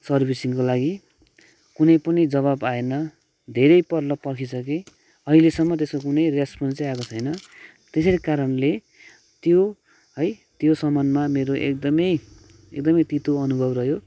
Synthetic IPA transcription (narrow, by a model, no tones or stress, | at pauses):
sʌrbʱisiŋkolaɡi | kunʌjpʌnid͡zʌβabaenʌ | d̪ʱeɾʌjpʌrlʌpʌrkʰisʌke | ʌɦilesʌmːʌt̪eskokunʌjrespʌnsiakot͡sʰʌjnʌ | t̪esʌɾikaɾʌnle | t̪jo | ɦʌj | t̪josʌmʌnmameɾoʔḛk̚d̪ʌmʌj | ḛkd̪ʌmʌjt̪it̪oʌnubʱʌbrʌɦjo